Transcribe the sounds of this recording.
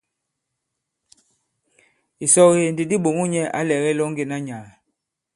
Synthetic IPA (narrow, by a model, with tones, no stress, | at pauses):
i˨sɔ˦ɣe˨n̩˨di˨di˦ɓo˨ŋu˦ɲɛ˦ʔa̰˦lɛ˨ɣɛ˦lɔ˦ŋ˦ɡe˦˨na˦ɲa˨l